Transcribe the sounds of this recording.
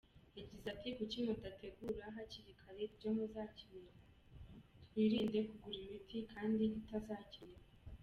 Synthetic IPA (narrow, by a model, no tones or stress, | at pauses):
jabɟizatʰikucimotatʰe̞ɡuɾaɦaciɾikʰaɾebɟomezaciɾeɾa | twiːɾiːndekuɡuɾimitʰikʰaːndiɟitazaːciɾa